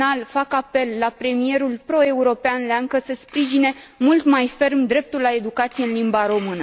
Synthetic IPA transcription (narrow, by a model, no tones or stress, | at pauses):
alfakape̞lːapɾe̞mije̞ɾulpɾo̞e̞uɾo̞peanleaŋkəsəspɾiʒine̞mult̪majfe̞rmd̪ɾe̞p̚t̪ulːae̞d̪ukat̪sijeɨnlimbaɾo̞mɨnə